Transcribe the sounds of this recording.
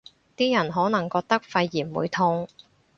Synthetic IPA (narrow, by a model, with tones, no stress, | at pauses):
t̪iː˥jɐ˨˩nɦɔː˨˥nɐ˨˩ŋkɔː˧k̚t̪ɐ˥k̚fɐ˧jːiː˨˩nwṵː˨˧jt̪ʰʊ˧ŋ